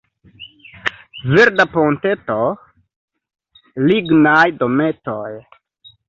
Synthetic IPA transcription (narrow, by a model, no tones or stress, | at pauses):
veɾdaponte̞to | liɡnajdometoj